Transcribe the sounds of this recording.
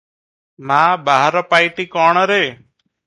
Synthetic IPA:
maːbaːɦəɾɔpaːiʈiːkɔːɳ̃ɾeː

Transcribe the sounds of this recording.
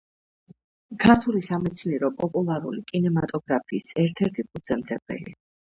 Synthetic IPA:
kʰaɾt̪ʰulisamɛt̪sʰniɾɔpʼɔpʼulˠaɾṵlikʼinɛmat̪ʼɔɡɾapʰiːsɛɾt̪ʰɛɾt̪ʰikʰʼud̪z̥ɛmd̪ɛb̥ɛ̰lḭ

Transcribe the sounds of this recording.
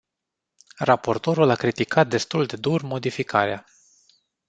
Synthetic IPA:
rapo̞rt̪o̞ɾulakɾit̪ikʰat̪̚d̪e̞st̪uld̪e̞d̪urmo̞d̪ifikʰa̰ɾea

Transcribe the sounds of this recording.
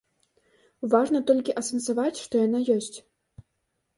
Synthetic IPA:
vaʐnɐt̪ɔlʲkʲiʔɐsɐnsavat͡sʲʂt̪ɔjan̪ajɔsʲt͡sʲ

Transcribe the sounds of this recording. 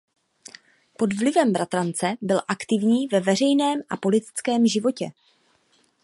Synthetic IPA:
po̞d̪vlɪvɛmbɾat̪ɾant͡sɛbɪlʔakt̪ɪvɲiːvɛvɛr̝ɛjnɛːmʔapo̞lɪt̪ɪ̥t͡skɛːmʒɪvo̞cɛ

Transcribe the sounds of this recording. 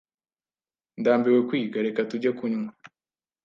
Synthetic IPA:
ndaːmbiwekwiːɡaɾe̞katuɟakuɲŋa

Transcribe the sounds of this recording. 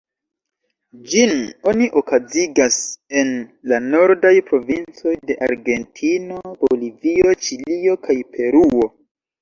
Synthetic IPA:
d͡ʒino̞niʔo̞kaziɡase̞nlano̞ɾdajpɾo̞vint͡so̞jde̞ʔa̰ɾɡe̞ntʰino̞b̥olivio̞t͡ʃilio̞kʰajpʰe̞ɾuo̞

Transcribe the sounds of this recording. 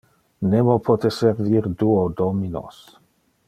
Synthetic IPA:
nemopʰot̪eseɾviɾd̪uod̪omino̰s

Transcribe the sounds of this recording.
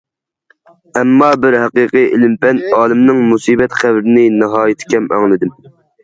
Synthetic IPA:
ɛmːɑːbɪɾɦæqiqɨjʔɪ̰lɪmpʰɛnɑːlˠɪmnɨŋmusiːbɛt̪χævɾɪnɪnɨɦɑːjɪt̪ʰɪ̥kʲɛmʔɑ̰ŋlˠɨd̪ɪm

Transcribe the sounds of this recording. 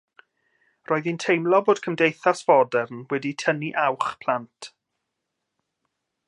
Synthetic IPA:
rʔoːɨðintʰejmlˠɔboːd̥kʰəmdejθasfɔdɛrnwɛditʰəniʔawχpʰl̥antʰ

